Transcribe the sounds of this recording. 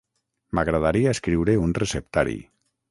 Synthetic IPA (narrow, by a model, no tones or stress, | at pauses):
maɣɾaðaɾiaeskɾiwɾeunresept̪a̰ɾḭ